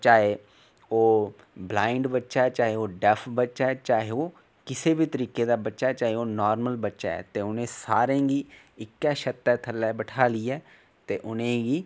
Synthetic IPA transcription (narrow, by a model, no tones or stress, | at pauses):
t͡ʃaːɦeː | oː | blaːɪɳɖbətːʃaːɛːt͡ʃaːɦeːoːɖɛpʰbətːʃaːɛːt͡ʃaːɦeoː | kɪseːbiːt̪əɾiːkeːd̪aːbətːʃaːɛt͡ʃaːɦeoːnɔːɾməlbətːʃa̰ːɛ̰ːt̪eːʊnẽːsaːɾẽːɡiː | ɪkːɛːʃət̪ːɛːt̪ʰəlːɛːbəʈʰaːliːɛː | t̪eːʔʊnẽːɡiː